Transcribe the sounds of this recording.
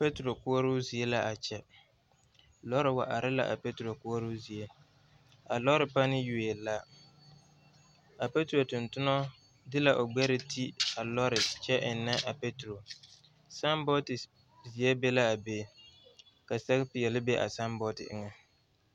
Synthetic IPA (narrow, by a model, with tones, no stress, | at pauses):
pe˦tɾo˨kʊ˦ɔ˦ɾu˦zi˨e˦la˦ʔa˨t͡ʃɛ˦ | lɔ˦ɾɪ˨wa˨ʔa˨ɾɪ˦la̰˦ʔa̰˨pe˦tɾo˨kʊ˦ɔ˦ɾu˦zi˨e˦ | a˨lɔ˦ɾɪ˨pa˦nɪ˦ju˨e˨la˦ | a˨pe˦tu˨ɾo˨tʊ˨ntʊ˦nɔ˦ | dɪ˦la˨ʔo˨ɡ͡bɛ˦ɾɪ˨tʰi˦a˨lɔ˦ɾɪ˨t͡ʃɛ˦ʔɪ˨nːɛ˦ʔa˨pe˦tɾo˨ | sa˦mbɔ˦tɪ˨ | zi˨ɛ˦be˦la˦a˨be˦˨ | ka˨sa˦kpɪ˨jɛ˨lɪ˦bɛ˦ʔa̰˨sa˦mbɔ˦tɪ̰˨ʔɪ̰˦ŋa˨